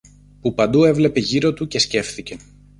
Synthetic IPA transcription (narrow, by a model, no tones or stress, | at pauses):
pupɐnd̪ue̞vle̞pe̞ʝiɾo̞t̪uce̞sce̞fθice̞